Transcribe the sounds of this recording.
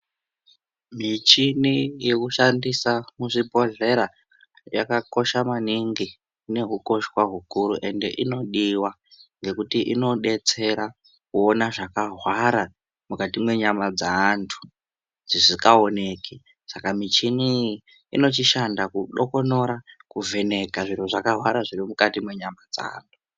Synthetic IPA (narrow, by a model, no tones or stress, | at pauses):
mit͡ʃinijekuʃandisamuʐipo̞ɮe̞ɾa | jakako̞ʃamaniŋɡi | une̞ɦuko̞ʃwaɦukuɾuʔe̞nde̞̰ʔino̞ɗiwa | ŋɡe̞kutiʔino̞ɗe̞t͡se̞ɾa | kuonaʐakaɦwaɾa | mukatimwe̞ɲamad͡zaːntʰu̥ | d͡zisikao̞ne̞ki | sakamit͡ʃini | ḭno̞t͡ʃiʃandakuɗoko̞no̞ɾakuvʱe̞ne̞kaʐir̤uʐakaɦwaɾaʐirimukatimwe̞ɲamad͡za̰ːntʰu̥